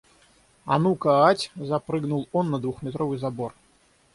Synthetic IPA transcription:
a̰nukɐatʲzapɾɨɡnulˠɔnːɐd̪vuxmʲɪt̪ɾovɨjzabor

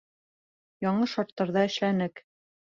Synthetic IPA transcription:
jɒɴlˠɤʃɑɾt̪ːɑɾðɑɘ̆ʃlænɘk

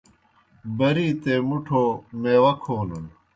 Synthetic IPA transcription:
bɐɾiːt̪eːmuʈʰoːmeːwɐkʰoːnun

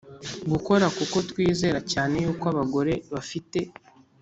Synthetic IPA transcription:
ɡuko̞ɾakuko̞twiːze̞ɾacaːne̞juːkaβaɡo̞ɾe̞βafite̞

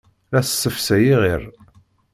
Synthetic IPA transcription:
ɾæssːəfsæjiʁiɾ

